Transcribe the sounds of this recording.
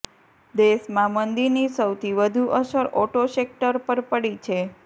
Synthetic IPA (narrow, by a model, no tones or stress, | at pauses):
d̪eʃmãmənd̪iɾnisəwt̪ʰiʋəd̪ʱuʔəsəɾoʈoʃek̚ʈəɾpəɾpəɽit͡ʃʰe